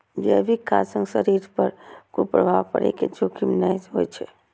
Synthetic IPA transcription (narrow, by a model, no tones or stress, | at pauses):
d͡ʒeəbʱikasə̃ŋɡsəɾiɾpəɾkopɾəbʱaʋpəɾḛked͡ʒokimnajzɦojt͡ʃʰɛ